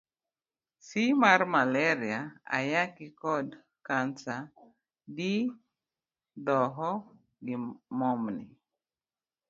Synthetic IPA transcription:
simaɾmalɛɾiaa̰jakɪkɔd | kansa | di | d̪ɔɦɔ | ɡɪmɔmnɪ̰

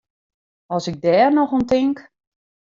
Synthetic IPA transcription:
ɔsɪɡ̚dɛːrnɔxontɪŋk

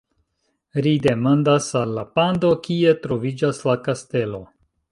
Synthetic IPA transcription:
ɾide̞mandasalːapando̞kie̞tɾo̞vid͡ʒaslakaste̞lo̞

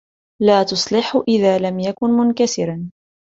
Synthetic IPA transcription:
laːt̪ʊsˤlɪħʊʔɪðaːlamjakʊnmʊnkasɪɾan

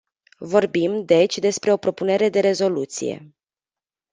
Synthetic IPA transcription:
vo̞rbimd̪e̞t͡ʃʲd̪e̞spɾe̞o̞pɾo̞pune̞ɾe̞d̪e̞ɾe̞zo̞lut̪sḭje̞̰

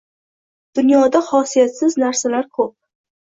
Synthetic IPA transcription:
d̪̥ʊnjɒd̪ahɒsijat̪sɪznaɾsalaɾkʰop̚

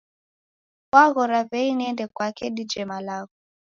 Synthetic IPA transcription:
kwaɣɔɾavɛinɛndɛkwakɛɗid͡ʒɛmalaɣɔ

